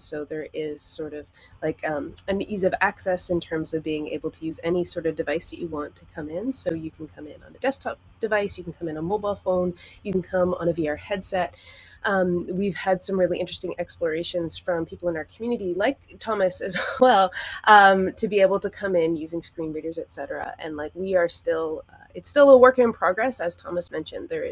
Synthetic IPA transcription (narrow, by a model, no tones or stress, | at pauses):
soʊðə˞ɪz̥sɔɹɾʌv̥ | laɪkʰʌ̃mɨ̃nizʌvæksɛsɨ̃ntʰɜ̃˞mzʌvbiɪ̃ŋḛɪbl̩ˠtʰɨjʉzɛnisɔɹɾʌvdɨvaɪsðɨt͡ʃɨwɑ̃ntʰɨkʰʌ̃mɪ̃nsoʊjɨkʰn̩kʰʌ̃mɪ̃nə̰̃nðɨd̥ɛstʰɑp̚d̥ɨvaɪsjɨkn̩kʰʌ̃mɨ̃nəmoʊbaɪlˠfõʊ̃njɨkn̩kʰʌ̃mə̰̃nɨviɑɹhɛd̥sɛt̚ʔʌ̃mwiv̥ɨd̥sʌ̃mɹɪlˠiʔɪ̃nt͡ʃɹ̥ɨstɪ̃ŋɛksplə˞eɪʃɨ̃nz̥fɹʌ̃mpʰipl̩ˠə̃naʊə˞kʰmjʉnɨɾilaɪk̚tʰɑmɨsɨzwɛlˠʔʌ̃mtʰɨbieɪbl̩ˠtɨkʰʌ̃mɪ̃njʉzɪ̃ŋskɹĩnɹiɾə˞zɨtsɛɾə˞ɨ̰ʔɨ̰̃nlaɪkwiə˞stɪlˠʌ | ɨtstɪlˠəwɜ˞kɪ̃ŋɨ̃npʰɹ̥ɑɡɹɛsɨz̥tʰɑ̰məsmɛ̃nʃɨ̰̃nðə˞ɪz